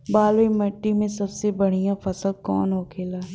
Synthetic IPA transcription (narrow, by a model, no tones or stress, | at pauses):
baːlwimɐʈːimẽsɐbsebɐɽ̤ijãfɐsəlkɔ̰ːnɦoːkʰeːlaː